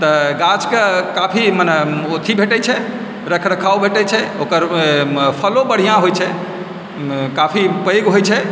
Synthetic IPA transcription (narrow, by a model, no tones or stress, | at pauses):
t̪əɡat͡ʃkekapʰimənɛot̪ʰibʱeʈɛt͡ʃʰɛ | ɾəkʰɾəkʰawbʱeʈɛt͡ʃʰɛokəɾpʰəlobəɽ̤ijãɦojt͡ʃʰɛ | kapʰipəjɡɦojt͡ʃʰɛ